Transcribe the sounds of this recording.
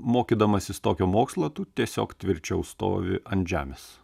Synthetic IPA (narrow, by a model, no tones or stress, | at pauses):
moːkʲiːd̪ɐmɐsʲɪst̪oːkʲuːmoːkslˠɐt̪uːt̪ʲiɛsʲoːkt̪ʲʋʲɪɾʲt͡ʃʲɛʊst̪o̰ːʋʲɪ̰ɐnt̪ʒʲæ̰ːmʲes